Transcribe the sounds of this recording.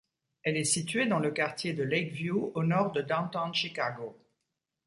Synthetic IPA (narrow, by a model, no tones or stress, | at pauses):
ɛlɛsit̪ɥed̪ɑ̃ləkaʁt̪jed̪əlɛkvjuonɔʁd̪əd̪ɑ̃t̪ɑ̃nʃikaɡo